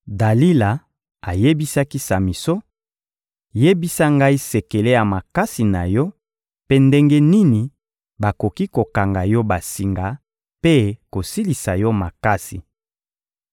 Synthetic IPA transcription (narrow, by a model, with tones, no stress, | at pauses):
da˨li˦la˨ | a˨je˦bi˦sa˦ki˦sa˨mi˨so˦ | je˦bi˦sa˦ŋɡa˦i˦se˨ke˨le˦ja˨ma˨ka˦si˨na˨jɔ˦ | pe˦nde˦ŋɡe˦ni˦ni˨ | ba˨ko˨ki˦ko˨ka˨ŋɡa˨jɔ˦ba˨si˨ŋɡa˨ | pe˦ko˨si˦li˨sa˨jɔ˦ma˨ka˦si˨